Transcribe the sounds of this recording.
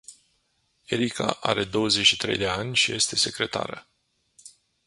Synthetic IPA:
e̞ɾika̰ʔa̰ɾe̞d̪o̞wəzet͡ʃʃit̪ɾe̞jd̪e̞anʲʃije̞st̪e̞se̞kɾe̞t̪a̰ɾə

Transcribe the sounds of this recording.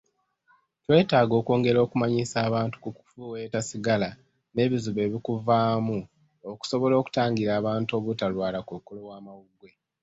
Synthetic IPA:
twe̞ːtaːɡo̞ːko̞ːŋɡe̞ɾo̞ːkumaɲisaːβaːntu̥kuku̥fuwe̞ːtasiɡala | ne̞ːβizuβe̞ːβikuvaːmu | oku̥so̞βo̞lo̞ːku̥taːŋɡiɾaːβaːnto̞βutalwaːlakukolo̞waːmawuɡwe̞

